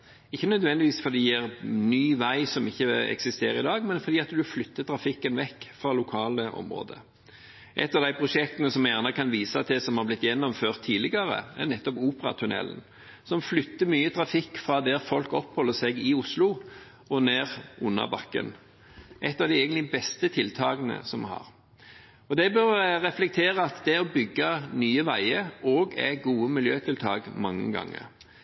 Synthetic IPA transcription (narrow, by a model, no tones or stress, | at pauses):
ɪçːənœd̪ʋɛnd̪ɪʋiːsfɔɾd̪iːɛʁnyːʋæɪsɔmɪçːəɛ̰ksɪst̪eːɾəɪd̪ɑːɡmɛnfɔɾd̪iːɑt̪d̪ʉflʏt̪ːət̪ʰɾɑfɪkːənʋɛkːfɾɑlʊkʰɑːləʔɔ̰mɾo̰ːd̪ə̰ | ʔɛ̰t̪ːɑʋd̪æɪpʰʁʊʂɛk̚t̪ənəsɔmjæʁnəkʰɑnʋiːsɑt̪̚d̪ɛsɔmhɑɾblɪt̪ːjɛnːɔmføːʁt̪ʰːiːlɪɡəɾə̰æʁnɛt̪ːɔpuːpəɾɑ̰t̪ʰʉnɛ̰l̰n | sɔmflʏt̪ːəmyːət̪ʰʁɑfɪkːfɾɑːd̪æʁfɔlkɔpːhɔlːəsɛɡɪʊslʊ | ɔneːʁʔʊnːɑ̰bɑkːə̰n | ʔɛt̪ːɑʋd̪æɪɛɡənlɪbɛst̪ət̪ʰɪlt̪ʰɑːɡənə̰sɔmhɑ̰ʁ | ɔd̪ɛbœɾʁɛflɛk̚t̪ʰeːʁəɑt̪d̪ɛɔbʏɡːɑnyːəʋæɪəɾɔɡæ̰ɡuːəmɪljøːt̪ʰɪlt̪ʰɑːɡmɑŋːə̰ɡɑ̰ŋːə̰ɾ